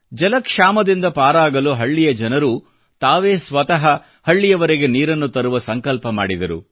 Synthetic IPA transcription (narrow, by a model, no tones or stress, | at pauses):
d͡ʒɐlɐkʂaːmɐd̪ind̪ɐpaːɾaːɡɐluɦɐɭːijɐd͡ʒɐnɐɾu | t̪aːʋeːsʋɐt̪ɐɦɐ | hɐɭːijɐʋɐɾeɡe̞niːɾɐnːut̪ɐɾuʋɐsɐŋkɐlpɐmaːɽid̪ɐɾṵ